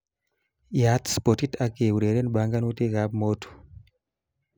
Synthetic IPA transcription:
ja˨t̪spo˨ti˦tʰa˨ke˨u˨ɾe˨ɾe˦nɓa˨ŋɡa˦nu˦te˦ɣa˦pmo˦tu̥

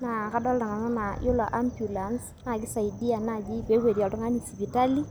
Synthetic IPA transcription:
na˨ka˦dɔ˦lta˨na˨nɔ˦na˨jʊ˦la˨ʔa˦mbju˨la˨ns | na˦˨ɡɪ˦sa˨i˨di˦a˨na˦˨ɡi˦pe˨˦we˨di˨a˨ltʊ˦ŋa˦ni˨si˨pi˨ta˦li˦

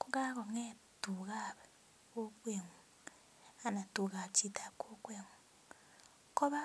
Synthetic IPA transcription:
ku˦ɡa˦ko˨ŋe˦ | tu˨ɣa˦βe | o˦kweː˨ŋu | a˨na˨tuː˨ɣa˨t͡ʃi˦ta˨ko˦kweː˨ŋu | ko˦βa˦

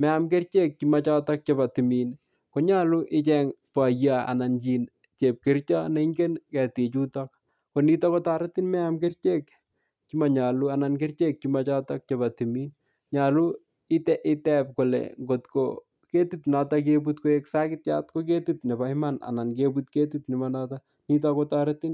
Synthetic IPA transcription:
mɛ˦amke˦rt͡ʃek̚t͡ʃima˨t͡ʃɔtɔ˦k̚t͡ʃeba˨ti˨mi˨n | ko˨ɲa˦lu˦ʔɪt͡ʃɛŋpa˨ja˨a̰˨na˨nt͡ʃi˨n | t͡ʃe˨p̚kɪ˦rt͡ʃɔ˦ne˦ŋɡe˦nkɛ˨te˨t͡ʃu˦tɔk | ko˨ni˦tɔ˦bɔ˦taɾa˦ti˦nmɛ˦amke˦rt͡ʃe˦k | t͡ʃi˦ma˨ɲa˨lu˦a˨na˨nkɪ˦rt͡ʃek̚t͡ʃimat͡ʃa˦tɔ˦k̚t͡ʃebatimi˦n | ɲa˨lu | ɪtɛʔɪtɛp̚ko˨lḛŋɡotko̰ | ke˦titnatak̬eb̬utkoeksa˦kɪt̚t͡ʃa̰tkok̬etitne˨ba˨ɪmana̰˨na˨nkeputke˦titnɪ˨manata | ni˦t̬ɔkotaɾɪtɪ˦n

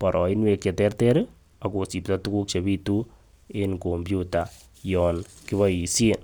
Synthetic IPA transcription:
pa˨ɾʔɔ̰˨ɪ˦nwe˧ke˨tɛrtɛɾ | a˨ko˨si˨ptatuku˦kt͡ʃeβi˦tu | enkombjuta˨ | jɔnkɪβa˦i˨sen

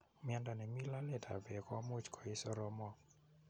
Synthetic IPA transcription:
mɪ˦ɛ˦nda˨nɛ˨mi˦la˦lɛ˨da̰˨bɛ˨kɔ˦mo˦t͡ʃkʰɔ˨ɪ˦sɔ˦ɾɔ˦mɔ˦

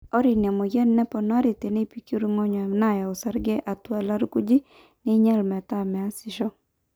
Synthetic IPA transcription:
ɔ˦ɾɪ˨n˨a˨mo˨ɡjɛ˦nːɛ˦pɔ˨nwa˦ɾi˨te˨ne˦˨pi˦ki˦ɾu˦ŋɔ˦ɲɔ˨mna˦˨ja˨o˨sa˨ɾɡɛ˦ʔa˨twa˨la˦ɾku˦d͡ʒi˦ | nɪ˦ɲɛ˦lmɛ˨ta˦mɛ˨a˦sɪ˨ʃɔ˦

